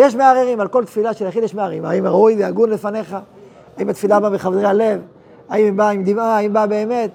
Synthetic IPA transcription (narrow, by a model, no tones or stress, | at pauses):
jeʃmeaʁeʁimalko̞lt̪filaʃelaχidjeʃmeaʁimaimʁaujveaɡunle̞fane̞χa | aimat̪filabameχavdʁeale̞v | aimbaimd̪imaːimbabeːme̞t̪